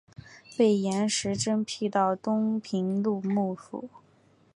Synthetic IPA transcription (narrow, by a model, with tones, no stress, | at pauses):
pe˥˩ɪjɛ˧˥nʂɻ̩˧˥ʈ͡ʂə˥ŋpʰi˥˧t̪ɑ˥˩ʊt̪ʊ˥ŋpʰi˧˥ŋlu˥˧mu˥˩fṵ˨˩˦